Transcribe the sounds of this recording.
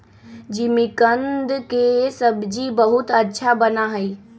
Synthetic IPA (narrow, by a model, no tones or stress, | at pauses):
d͡ʑimɪkə̃nd̪kesɐbʱd͡ʑibɐɦʊt̪ɐtːʃʰabɐnaɦɐiː